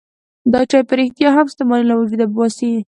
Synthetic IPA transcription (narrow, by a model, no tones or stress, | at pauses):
d̪ɑt͡ʃɑjpəɾɪxt̪jɑɦamɪst̪amɑlilawad͡ʒud̪abbɑsi